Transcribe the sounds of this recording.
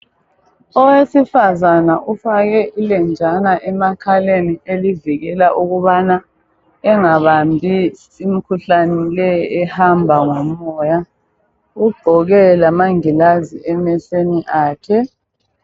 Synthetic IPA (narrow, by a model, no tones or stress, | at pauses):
ɔwesifazanaʔufaɣɛʔilɛnd͡ʒʱanaʔɛmakʰalenieliviɣɛlaʔuɣuβana | ɛŋaβambʱis | im̩kʰuɬanɛlɛɛhambʱaŋɔmɔja | uɡ͡ǃʱɔɣɛlamaŋilaziɛmɛseniʔaːkʰɛ